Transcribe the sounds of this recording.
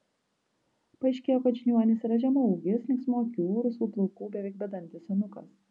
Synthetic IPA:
pɐɛɪʃʲkʲeːjoːkɐt̪ʲʒʲɪnʲuɔnʲɪsʲɾɐʒʲɛmɔʊɡʲɪsnʲɪksmoːkʲuːɾʊsuːplˠɔʊkuːbʲɛʋʲɛɪk̚bʲɛd̪ɐnʲt̪ʲɪsʲjʲɛnʊkɐs

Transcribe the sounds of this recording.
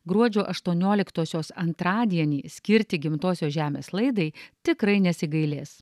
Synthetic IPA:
ɡɾuɔd͡ʒʲoːʔɐʃt̪uɔnʲoːlʲɪkt̪oːsʲoːsɐnt̪ɾɑːd̪ʲiɛnʲiːsʲkʲɪɾʲt̪ʲɪɡʲɪmt̪oːsʲoːʒʲæːmʲḛːslˠɐɪd̪ɐɪt̪ʲɪkɾɐɪnʲɛsʲɪɡɐɪlʲeːs

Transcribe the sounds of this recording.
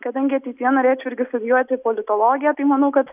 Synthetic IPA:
kɐd̪ɐŋʲɡʲɪɐt̪ʲiːt̪ʲiɛnoːɾʲeːt͡ʃʲʊɪɾʲɡʲɪst̪ʊd̪ʲɪjuɔt̪ʲɪpolʲɪt̪oːlˠoːɡʲɪjɛt̪ɐɪmɐnɐʊkɐt̪

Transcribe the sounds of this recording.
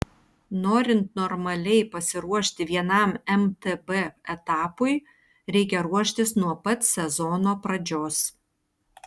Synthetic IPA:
noːɾʲɪnt̪nɔɾmɐlʲɛɪpɐsʲɪɾuɔʃʲt̪ʲɪʋʲiɛnɑˑmɛmt̪ebɛɛt̪ɑːpʊɪ | ɾʲɛɪkʲɛɾuɔʃʲt̪ʲɪsnuɔpɐt̪sʲɛzɔnoːpɾɐd͡ʒʲoːs

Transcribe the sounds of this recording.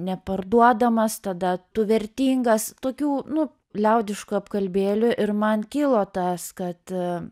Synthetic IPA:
nʲɛpɐrd̪uɔd̪ɐmɐst̪ɐd̪ɐt̪ʊʋʲɛɾʲt̪ʲiːŋɡɐst̪oːkʲuːnʊ | lʲɛʊd̪ʲɪʃkuɐpkɐlʲbʲeːlʲʊʔɪɾmɐnkʲɪlˠoːt̪ɐskɐt̪

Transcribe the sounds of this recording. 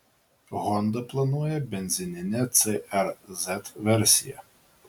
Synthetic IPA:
ɣɔnd̪ɐplˠɐnuɔjɛbʲɛnʲzʲɪnʲɪnʲɛt̪sɛʔɛɾzʲɛt̪ʋʲɛɾʲsʲɪjɛ̰

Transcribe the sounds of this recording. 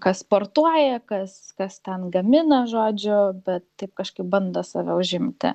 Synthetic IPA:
kɐspoːrt̪uɔjɛkɐskɐst̪ʲɛnɡɐmʲɪnɐʒoːd͡ʒʲʊbʲɛt̪t̪ɐɪp̚kɐʃkɐɪp̚bɐnd̪ɐsɑːʋʲɛʊʒʲɪmʲt̪ʲɪ̰

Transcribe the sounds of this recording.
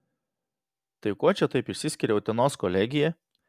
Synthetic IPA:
t̪ɐɪkuɔt͡ʃʲɛt̪ɐɪpɪʃʲsʲɪsʲkʲɪɾʲɛʊt̪ʲɛnoːskɔlʲɛɡʲɪjɛ

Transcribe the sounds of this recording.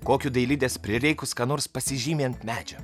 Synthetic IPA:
koːkʲʊd̪ɐɪlʲɪd̪ʲeːspʲɾʲɪɾʲɛɪkʊskɑːnoːɾspɐsʲɪʒʲiːmʲeːnt̪mʲæːd͡ʒʲɛ

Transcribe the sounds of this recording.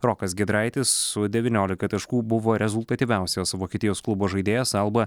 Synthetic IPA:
ɾɔkɐsɡʲɛd̪ɾɐɪt̪ʲɪsːʊd̪ʲɛʋʲiːnʲoːlʲɪkɐt̪ɐʃkuːbʊʋoːɾʲɛzʊlˠt̪ɐt̪ʲiːʋʲæˑʊsʲoːsʋoːkʲiɛt̪ʲɪjoːsklˠʊboːʒɐɪd̪ʲeːjɛsɐlˠbɐ

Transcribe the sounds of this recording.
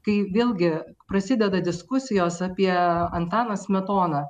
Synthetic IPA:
kɐɪʋʲeːlˠʲɡʲɪpɾɐsʲɪd̪ʲɛd̪ɐd̪ʲɪskʊsʲɪjoːsɑːpʲiɛɐnt̪ɑːnɐsmʲɛt̪oːnɐ

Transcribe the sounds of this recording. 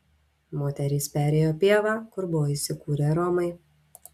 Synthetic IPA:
moːt̪ʲɛɾʲiːspʲæːɾʲeːjoːpʲeːʋɑːkʊɾbʊʋoːiːsʲɪkuːɾʲeɾɔːmɐɪ

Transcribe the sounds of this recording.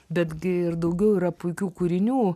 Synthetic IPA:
bʲɛd̪ɡʲɪɪrd̪ɐʊɡʲɛʊiːɾɐpʊɪkʲuːkuːɾʲɪnʲuː

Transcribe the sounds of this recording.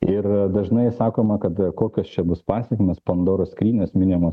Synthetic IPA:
ɪrd̪ɐʒnɐɪsɑːkoːmɐkɐt̪koːkʲost͡ʃʲɛbʊspɑːsʲɛkʲɪmʲespɐnd̪oːɾoːskɾʲiːnʲeːsmʲɪnʲɪmoː

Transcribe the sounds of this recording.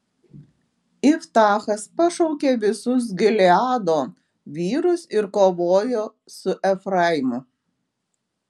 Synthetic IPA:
ɪft̪ɑːxɐspɐʃɔʊkʲeːʋʲɪsʊs̬ɡʲɪlʲɛɑːd̪oː | ʋʲiːɾʊsɪɾkoːʋoːjoː | sʊʔɛfɾɑjɪmʊ

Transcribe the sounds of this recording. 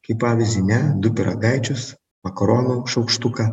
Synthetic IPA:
kɐɪpɑːʋʲɪzʲdʲɪnʲɛd̪ʊpʲɪɾʔɐ̰ɡajt͡ʃʲʊs | mɐkɔɾoːnʊʃɐʊkʃt̪ukɐ

